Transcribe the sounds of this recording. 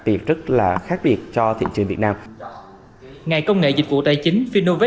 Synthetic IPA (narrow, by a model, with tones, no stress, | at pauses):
t̪i˨˩əp̚zə˦˥t̚laː˨˩xaː˦˥k̚ɓi˨˩ət̚t͡ɕɔ˧t̪ʰḭ˧˨t͡ɕɨ˨˩ŋvi˨˩ət̚naː˧m | ŋa˨˩jkə˧wŋ͡mŋḛ˧˨zï˨˩k̟̚vṵ˧˨t̪a˨˩jt͡ɕï˨˦ŋ̟fi˧no˧ve˦